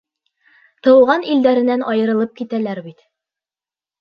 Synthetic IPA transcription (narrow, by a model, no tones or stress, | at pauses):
t̪ɤ̆wʁɑnild̪æɾɘ̆nːænɒjɤ̆ɾɤ̆lˠɤp̚kit̪ælæɾbit̪